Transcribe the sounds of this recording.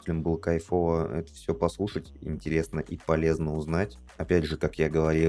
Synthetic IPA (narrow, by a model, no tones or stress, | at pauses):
tʲɪlʲɪmbɨlˠəkɐjfo̞vəɛ̰t̪ə̥fsʲɵpɐslˠuʂətʲɪ̰nʲtʲɪɾʲe̞snəʔipɐlʲe̞znəʊznatʲ | ɐpʲædʲʐɨkakjaɡəvɐɾʲi